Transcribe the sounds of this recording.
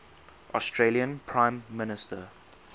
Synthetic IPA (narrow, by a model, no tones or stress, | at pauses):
ʔɔstʰɹeliə̃npʰɹãɪ̃mːɪnɪstə